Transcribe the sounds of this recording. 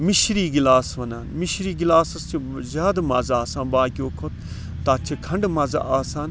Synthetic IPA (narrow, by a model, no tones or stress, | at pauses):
miʃɾiːɡilaːsʋɐnaːnmiʃɾiːɡilaːsɐst͡ʃʰi | zʲaːd̪mazaːsãːnbaːkʲoːkʰot̪̚ | t̪aːt͡ʃʰikʰɐɳɖmɐza̰ʔaːsaːn